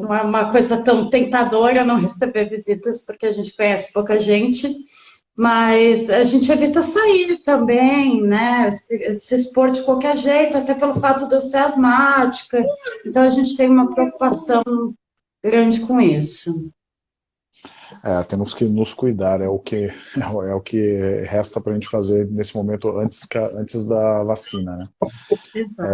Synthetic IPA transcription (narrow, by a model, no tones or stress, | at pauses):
nɐ̃w̃ɛũmɐkojzɐt̪ɐ̃w̃t̪ẽnt̪ad̪oɾɐnɐ̃w̃ɦesebeɾvizit̪ɐspoɾkeaʒẽnt͡ʃɪ̥kõɲɛsɪ̥powkɐʒẽnt͡ʃɪ | mɐzaʒẽnt͡ʃɪevit̪ɐsaiɾt̪ɐ̃mbẽj̃nɛssɪspoɾd͡ʒɪkwawkɛɾʒejt̪ʊat̪ɛpelʊfat̪ʊd̪eseazmat͡ʃi̥kɐẽnt̪ɐ̃w̃ɐʒẽt͡ʃɪ̥t̪ẽj̃ũmɐpɾeoku̥pasɐ̃w̃ | ɡɾɐ̃nd͡ʒɪkõisʊ | ɛt̪ẽmʊskɪnʊskujd̪aɾɛʊkɪɛɛʊkʰɪhɛst̪ɐpɾɐʒẽnt͡ʃɪ̥fazeɾnesɪmomẽnt̪ʊɐ̃nt͡ʃɪ̥skaɐ̃nt͡ʃɪzd̪ɐvasĩnɐnɛeaɛ